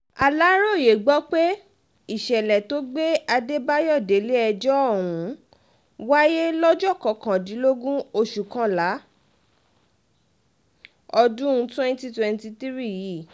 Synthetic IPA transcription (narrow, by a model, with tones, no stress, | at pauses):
a˨la˦ɾo˦˨je˨ɡ͡bɔ˨˦k͡pe˦ | i˦˨ʃɛ˨lɛ˨to˨˦ɡ͡be˦a˧de˦ba˦jɔ˦˨de˨˦le˦ɛ˧d͡ʒɔ˦ɔ˦˨ɾũ˨˦ | wa˦je˦lɔ˦d͡ʒɔ˦˨kɔ˨kã˨dĩ˨˦lo˦ɡũ˦o˧ʃu˨kã˧la˨˦ | ɔ˧dũ˦twɛ̃˦n˦ti˦twɛ̃˧nti˧t̪i˦ɾi˦ji˨